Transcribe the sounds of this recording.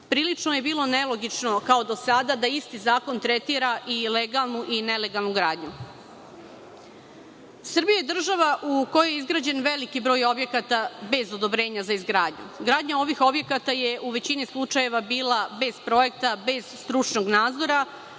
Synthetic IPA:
pɾiːlit͡ʂnoje̞biːlˠo̞ne̞lo̞ɡit͡ʃno̞kao̞d̪o̞sad̪ad̪aist̪izaːko̞nt̪ɾet̪iɾaʔileɡalˠnuʔine̞le̞ɡalˠnuɡɾaːd̪ɲu | sr̩bijajed̪r̩ʒaʋaʔuko̞jojeizɡɾaːd͡ʑe̞nʋe̞likibɾo̞ːjo̞bje̞kat̪abe̞zo̞d̪o̞bɾe̞ːɲazaizɡɾaːd̪ɲṵɡɾaːd̪ɲao̞ʋixo̞bje̞kat̪ajeʔuʋe̞t͡ɕinislˠut͡ʃaje̞ʋabiːlabe̞z̥pɾo̞je̞k̚t̪abe̞z̥st̪ɾut͡ʃno̞ɡnaːzo̞ɾa

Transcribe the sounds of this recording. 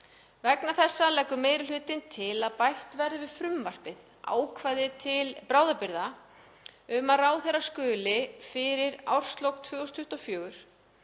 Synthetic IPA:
vɛknaθɛsːalɛkːʏmeːjɾɪlʏːt̪ɪnt̪ʰɪlaðpajl̥t̪vɛɾðʏvɪðfɾʏmvar̥pɪð | ʔa̰ːwkʰvajðɪt̪ʰɪlpɾaːwðapɪɾða | ʏmaðraːwθɛrːaskœːlɪfɪɾɪɾa̰wr̥st̪lowkt̪ʰvœːɣɔst̪ʰʏht̪afjœːɣʏɾ̥

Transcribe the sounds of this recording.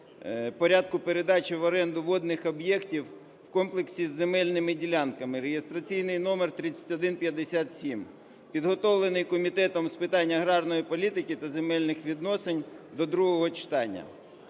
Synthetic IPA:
pɔɾʲad̪̚kʊpeɾed̪ɑt͡ʃʲɪʋɔɾɛnd̪ʊʋɔd̪nɪxɔbjɛktʲiw | wkɔmplˠeksʲizːemɛlʲnɪmɪdʲilʲankɐmɪɾejest̪ɾɐt͡sʲijnɪjnɔmert̪ɾɪt͡sʲɐ̥tʲɔd̪ɪnpʲjɐd̪ːesʲat̪sʲim | pʲid̪ɦɔt̪ɔʋlˠenɪjkɔmʲit̪ɛt̪ɔmspɪt̪ɑnʲːɐɦɾɑrnɔjipɔlʲit̪ɪkɪt̪ɐzemɛlʲnɪxʋʲid̪nɔsenʲd̪ɔd̪ɾuɦɔɦɔt͡ʃɪ̥t̪ɑnʲːɐ̰

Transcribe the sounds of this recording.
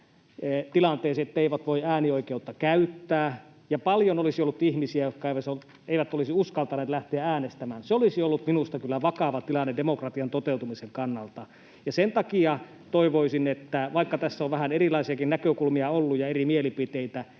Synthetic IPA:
t̪ilɑnt̪eˑːsiet̪ːeiʋæt̪ʋoiæːnioikeut̪ːɑkæyt̪ːæː | jɑpɑljonolisiolːut̪ihmisiæjot̪kɑeˑiʋæsol | eˑiʋæt̪olisiuskɑlt̪ɑneːt̪læht̪eææːnest̪æmæːnseolisiolːut̪minust̪ɑkylːæʋɑkɑʋɑt̪ilɑnːedemokrɑt̪iɑnt̪ot̪eˑut̪umiseŋkɑnːɑlt̪ɑ | jɑsent̪ɑkiɑ | t̪oiʋoisinet̪ːæʋɑikːɑt̪æsːæoʋʋæhænerilɑˑisiɑkinnækøkulmiɑolːujɑerimielipit̪eit̪æ

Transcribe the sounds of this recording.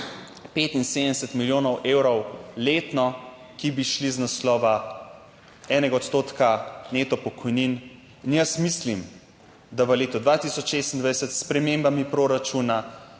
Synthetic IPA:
peːt̪inseːd̪əɛsɛt̪miljoːnɔwʔeːwɾɔwleːt̪nɔ | kibiʃliznaslɔːʋa | ɛːnɛɡaɔt̪st̪oːt̪kanet̪ɔpɔkʰɔjnin | injəsmislim | d̪aʋəleːt̪ɔd̪ʋat̪isɔt͡ʃʃest̪ind̪ʋajsət̪spɾɛmeːmbamipɾoːɾat͡ʃuna

